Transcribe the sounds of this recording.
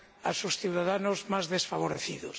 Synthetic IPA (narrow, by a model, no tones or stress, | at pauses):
asosθiwðaðanozmazðesfaβ̞oɾeθiðos